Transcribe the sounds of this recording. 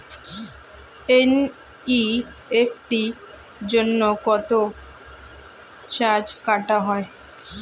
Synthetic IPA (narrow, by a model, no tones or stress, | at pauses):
en | i | efʈi | d͡ʑonːokɔt̪o | t͡ɕaɾd͡ʑkaʈaɦɔe